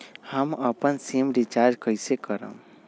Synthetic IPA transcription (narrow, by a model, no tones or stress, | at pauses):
həməpənsemɾit͡ʃaɾd͡ʒkəjsekəɾə̰̃m